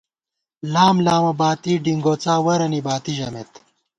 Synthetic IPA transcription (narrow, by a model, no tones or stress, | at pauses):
laːmlaːmɐbaːt̪iɖiŋɡoːt͡saːwɐɾɐnibaːt̪iʑɐmet̪